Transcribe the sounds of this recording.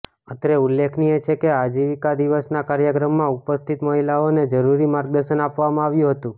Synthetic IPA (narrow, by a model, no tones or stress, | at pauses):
ət̪ɾeulːekʰniet͡ʃʰekead͡ʒiʋikad̪iʋəsnakaɾjəkɾəmːãupəst̪ʰit̪məɦilaoned͡ʒəɾuɾimaɾɡ̚d̪əɾʃənapʋamãaʋjũɦət̪ũ